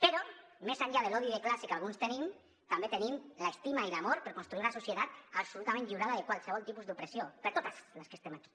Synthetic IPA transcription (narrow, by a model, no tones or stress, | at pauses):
peɾɔmezaɲʎað̞elɔðiðeklasikalˠɣunst̪enim | t̪ambet̪enimlaest̪imailamoɾpəɾkonst̪ɾuiɾunasusjet̪at̪apsulut̪amẽnʎiɾaðaðekwalˠseβɔlˠt̪ipuzd̪upɾesiopəɾt̪ot̪azləskest̪emaki̥